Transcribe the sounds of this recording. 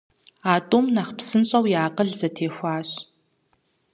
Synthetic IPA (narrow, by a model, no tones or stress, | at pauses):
aːtʼumnɐχpsɨnɕʼɐwjaːqəɮzɐtʰeːxʷaːɕ